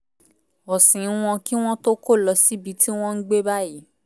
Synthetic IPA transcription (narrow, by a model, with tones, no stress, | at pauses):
ɔ˨sĩ˨˦w̃ɔ̃˧ki˦w̃ɔ̃˦to˦ko˦˨lɔ˧si˦bi˧ti˦w̃ɔ̃˦n̩˦ɡ͡be˦ba˦ji˨˦